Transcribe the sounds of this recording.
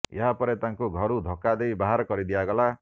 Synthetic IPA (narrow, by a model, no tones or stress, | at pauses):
ḛɦapɔɾet̪aŋkuɡʱɔɾud̪ʱokad̪ejbaɦaɾɔkɔɾid̪iaɡɔla